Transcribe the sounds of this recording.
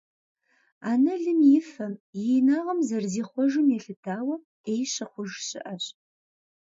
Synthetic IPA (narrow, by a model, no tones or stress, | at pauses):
aːnɐɮɨmjɪfɐmjɛnaːʁɐmzɐrziːχʷɔʒɨmjɛɬɨtʰaːwɐ | eːjɕɐχʷʊʒɕɪ̰ʔɐɕ